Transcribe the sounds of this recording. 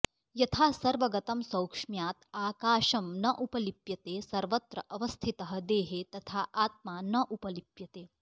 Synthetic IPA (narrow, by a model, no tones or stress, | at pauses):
jɐt̪ʰaːsɐɾʋɐɡɐt̪ɐmsɐwkʂmjaːt̪aːkaːʃɐmnɐʔupɐlipjɐt̪eːsɐɾʋɐt̪ɾɐ̰ʔɐʋɐst̪ʰit̪ɐɦɐ̆d̪eːɦet̪ɐt̪ʰaːʔaːt̪̚maːnɐʔupɐlipjɐt̪eː